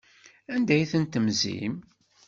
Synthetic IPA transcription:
ænd̪æjθənt̪əmzḭm

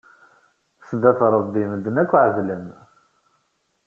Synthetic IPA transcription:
səd̪æθɾˤəðd̪iməd̪ːənækʷːʕəvləm

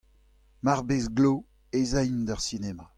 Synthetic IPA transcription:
maʁbesɡlo | ezɛjnd̪aʁsineːma

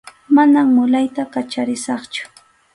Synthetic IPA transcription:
manammʊlajt̪akat͡ʃaɾɪsɑχt͡ʃʊ̥

